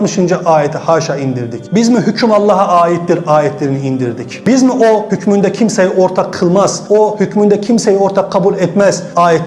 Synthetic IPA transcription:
mɯʃɯnd͡ʒaʔaːjɛt̪ʰihaʃaind̪iɾd̪icbizmiɦycʰymɑlˠːɑɦaaːit̪d̪iɾaːjɛt̪ʰlʲeɾiniind̪iɾd̪icbizmiʔohycʰmynd̪ɛcʰimsɛjioɾt̪ʰaqʰːɯlˠmaz̥ohycʰmynd̪ɛcʰimsejioɾt̪ʰakʰːɑbulˠɛt̪mɛz̥aːjɛt̪

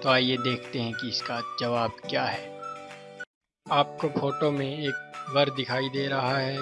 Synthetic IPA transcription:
t̪oaːjed̪eːkʰt̪eɦɛ̃kiɪskad͡ʒɐʋaːb̚kjaːɦɛː | aːp̚kofoːʈomẽeːk̚bɐɾd̪ɪkʰaːid̪eːɾɐɦaɦɛː

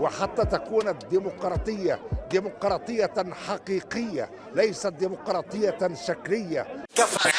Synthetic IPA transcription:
wɪħat̪ːaːt̪akuːnad̪ːimʊqɾˤɑːt̪ˤɨjːad̪iːmʊqɾˤɑːt̪ˤɨjːaħɑqiːqɪjːa̰ | lajsat̪̚d̪iːmʊqɾˤɑːt̪ˤɨjːaʃakɾɪjːa̰kaf

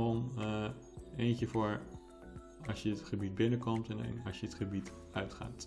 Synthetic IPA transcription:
ɔm | ejncəvʊːɹ | ɑsjəətχəbit̚bɪnəkɔmtɛnɛ̰nɑʃjəətχəbit | œɥtχa̰ːt

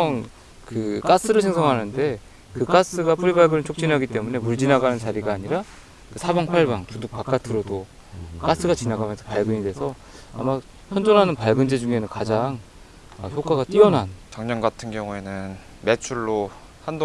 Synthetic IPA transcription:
ʌn | kɯk͈as͈ɯɾɯɭsʰeŋsʰʌŋɦanɯnde̞ | kɯk͈as͈ɯɡap͈uɾibaɭɡɯnɯnt͡ɕʰok̚t͡ɕ͈inɦaɡit͈e̞mune̞muɭd͡ʑinaɡanɯnt͡ɕaɾiɡaːɲiɾa | kɯsʰabaŋpʰaɭbaŋtuduk̚p͈ak͈atʰɯɾodo | k͈as͈ɯɡat͡ɕinaɡamjʌnsʰʌpaɭɡɯɲidwe̞sʰʌ | a̰ma | çjʌnd͡ʑonɦanɯnpaɭɡɯnd͡ʑed͡ʑuŋe̞nɯnkad͡ʑaŋ | ʌçjok͈aɡat͈iʌnɦant͡ɕaŋɲʌnɡatʰɯnɡjʌŋue̞nɯn | me̞t͡ɕʰuɭːo | hando

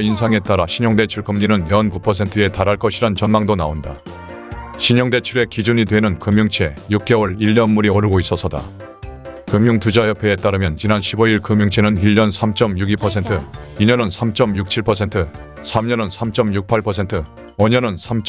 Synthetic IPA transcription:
insʰaŋe̞t͈aɾaɕʰiɲʌŋde̞t͡ɕʰuɭkɯmɲinɯnjʌnpupʰʌs̬ʰe̞ntʰɯe̞taɾɦaɭk͈ʌɕʰiɾant͡ɕʌnmaŋdonaonda | ɕʰiɲʌŋde̞t͡ɕʰuɾe̞kid͡ʑuɲidwe̞nɯnkɯmjuŋt͡ɕʰe̞juk̚k͈e̞wʌɾiʎːʌnmuɾiʌɾɯɡois͈ʌsʰʌda̰ | kɯmjuŋtud͡ʑajʌpʰe̞et͈aɾɯmjʌnt͡ɕinanɕʰibʌiɭkɯmjuŋt͡ɕʰe̞nɯniʎːʌnsʰamt͡ɕ͈ʌmjuɡipʰʌs̬ʰe̞ntʰɯiɲʌnɯnsʰamt͡ɕ͈ʌmjuk̚t͡ɕʰiɭpʰʌsʰe̞ntʰɯ | sʰamɲʌnʌnsʰamt͡ɕ͈ʌmjuk̚pʰaɭpʰʌsʰe̞ntʰɯ | ʌɲʌnɯnsʰamt͡ɕ

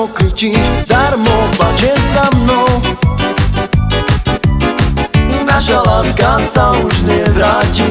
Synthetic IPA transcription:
kɾit͡ɕiʃd̪aɾmopat͡ʃɛzamnow | inaʃalaskasauʒnɛvɾatʲi

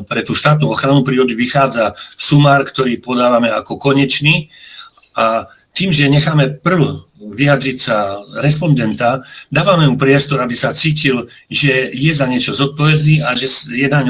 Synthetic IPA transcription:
pɾɛt̪uːʃt̪aːt̪̬̚nuɔxɾanupɾiːɔd̪uʋixaːd͡zasumaːɾkt̪ɔɾiːpɔd̪aːʋamɛa̰kɔkɔɲɛt͡ʃniː | a | t̪iːmʒɛɲɛxaːmɛpr̩l | ʋiad̪ɾicsaɾɛspɔnd̪ɛnt̪ad̪aːʋamɛmupɾɪɛst̪ɔɾabisat͡siːcil | ʒɛjɛzaɲɪɛt͡ʃɔzɔt̪̚pɔʋɛd̪niːʔaʒɛjɛnaɲ

